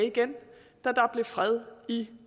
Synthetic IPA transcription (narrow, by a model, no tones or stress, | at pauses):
iɡ̥en | d̥æd̥ɑ̈b̥le̝fʁɛð̞ˠi